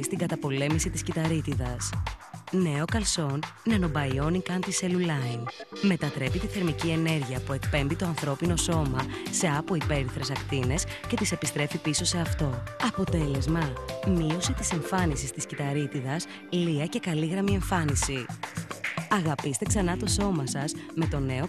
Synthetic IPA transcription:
st̪iŋɡɐt̪ɐpo̞le̞misit̪iscit̪ɐɾit̪iðɐsne̞o̞kɐlso̞nːɐno̞bɐio̞nikɐnt̪iselulɐinme̞t̪ɐt̪ɾe̞pit̪iθe̞ɾmicie̞ne̞ɾʝiɐpue̞kpe̞mbit̪o̞ɐnθɾo̞pino̞so̞mɐse̞ɐpo̞ipe̞ɾiθɾe̞sɐkt̪ine̞sce̞t̪ise̞pist̪ɾe̞fipiso̞se̞ɐft̪o̞ɐpo̞t̪e̞le̞zmɐmio̞sit̪ise̞ɱfɐnisist̪iscit̪ɐɾit̪iðɐs | liɐce̞kɐliɣɾɐmie̞ɱfɐnisi | ɐɣɐpist̪e̞ksɐnɐt̪o̞so̞mɐsɐsme̞t̪o̞ne̞o

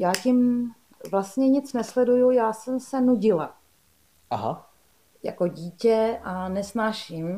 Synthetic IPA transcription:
jaːcɪm | vlast̪ɲɛɲɪt͡snɛslɛdujujaːsɛmsɛnuɟɪla | aɦa̰ | ja̰ko̞ɟiːcɛʔanɛsnaːʃɪm

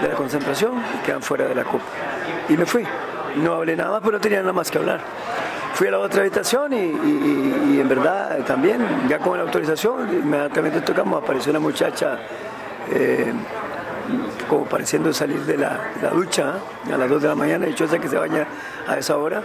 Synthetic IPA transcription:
d̪elako̞nsent̪ɾasjo̞nikeða̰ɱfweɾaðela̰kopḁ | ime̞fwi | noaβlenaðamaspeonot̪enianaðamaskeaβla̰ɾ | fwialaot̪ɾaːβit̪asjoniː | embe̞ɾðat̪ambje̞nʝakoŋelawt̪oɾis̬asjo̞ŋimeðjant̪ament̪et̪okamoapaɾes̬jounamut͡ʃa̰t͡ʃa | e | komopaɾesjend̪osaliɾðela̰ela̰ðut͡ʃa | a̰lazðo̞zðelamaɲãnait͡ʃoes̬ak̬es̬eβa̰ɲa | a̰esaoɾa

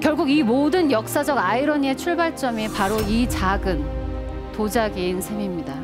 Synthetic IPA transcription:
kjʌɭɡuɡimodɯnjʌk̚s͈ad͡ʑʌɡaiɾʌɲie̞t͡ɕʰuɭbaɭt͡ɕ͈ʌmepaɾoit͡ɕaɡɯn | tod͡ʑaɡeːnsʰe̞mimɲida

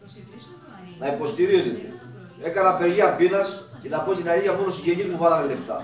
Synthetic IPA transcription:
nɐipo̞st̪iɾizit̪ḛ | e̞kɐnɐpeɾʝiɐpinɐscenɐpo̞t̪inɐiʝɐponosiʝeɲizmupɐɾɐnele̞ft̪ɐ̰

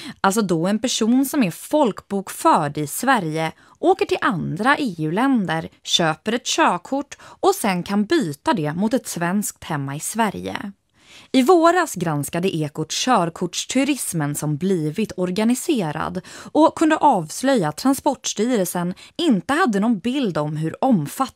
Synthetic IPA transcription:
ʔalt̪s̬ɔd̪ɔɛnpæʂuːnsɔmɛfɔlkbuːkfœːɖɪsvæɾjə | ʔoːkəʈʰɪlʔand̪ɾaʔeːʉ̟ːlɛnd̪əɾɕøːpəɾɛt̪ɕøːkʰʊʈːɔsɛnkʰanbyːt̪ad̪ɛmʊt̪ɛt̪svɛnsk̚t̪hɛmːaɪsvæɾjə̰ | ɪvoːɾasɡɾanskad̪əʔeːkʊʈɕœːɾkʰʊʈʂt̪ʰɵɾɪsmənsɔmbliːvɪt̪ʰɔɾɡanɪseːɾa̰d̪ɔkʰɵnd̪əʔɑːvslœjːaːt̪ʰːɾanspɔʈʂʈ̪yːɾəlsənɪnt̪əhad̪ːənɔnbɪld̪ɔmɦɵɾɔmfa

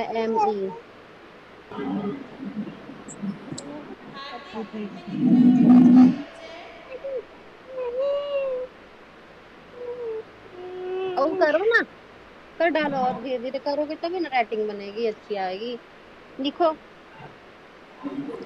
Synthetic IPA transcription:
ʔɛːmiː | əukəɾoːnaː | k̪əɖaːlɔːɾd̪iːd̪iːɾekəɾoːɡeːt̪obiːnaɾɛːʈɪŋɡbəneːɡiːətːʃʰiːaːeːɡiː | lɪkʰoː

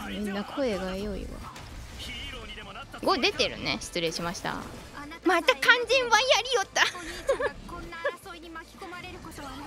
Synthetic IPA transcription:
mʲĩnːakʰo̞e̞ɡaejo̞ḭβa̰ | ɡo̞d̪e̞t̪e̞ɾɯ̟̰ne̞̰ɕɨ̥t͡sɨɾe̞ːɕimaɕi̥t̪a̰ | mat̪ːakãɲ̟d͡ʑĩɰβãjaɾʲijot̪ːa

